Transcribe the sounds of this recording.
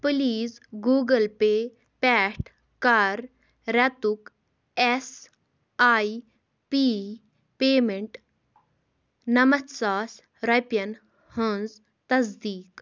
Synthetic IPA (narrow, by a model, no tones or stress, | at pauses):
pɨliːzɡuːɡɐlpe | pɛːʈ | kaɾ | ɾɐt̪uk | es | aːi | piː | peːmeɳʈ | nɐmɐt̪saːs | ɾɐpjɐn | hə̃nz | t̪ɐzd̪iːk